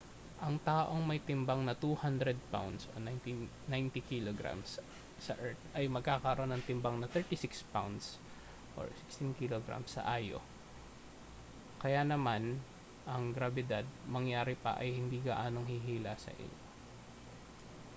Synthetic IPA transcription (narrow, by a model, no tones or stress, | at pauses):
ʔɐŋt̪aːʔo̞ŋmɐjt̪ɪmbaŋnɐt̪uːhand̪ɾɛd̪̚pa̰wnd̪so̰n | najnt̪ikiloɡɾa̰msː | ɐʔɛɹt̪ʔɐjmɐɡ̚kaːkɐɾɐɾʔo̞nːɐŋt̪ɪmbaŋnɐt̪ɛɹt̪isɪkspawnd̪s | ʔo̰ɹsɪkst̪ɪnkiloɡɾa̰msːɐ̰ʔaːjo̞̰ | kɐjanɐman | ʔɐŋɡɾɐbɛd̪ad̪̚mɐŋjaːɾɪpɐ̰ʔɐjhɪnd̪iːɡɐʔaːno̞ŋhiɦiːlasɐ̰ʔɪ̰ɲo̞̰